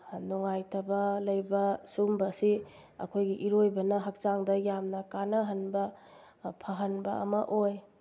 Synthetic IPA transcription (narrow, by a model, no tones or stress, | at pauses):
nuŋajtʰɐbɐlɐjbɐsumbɐsi | ɐ̰kʰojɡiʔiɾojbɐnɐɦɐk̚saŋdɐjamnɐkanɐɦɐnbɐ | pʰaɦɐnbɐɐ̰mɐʔoj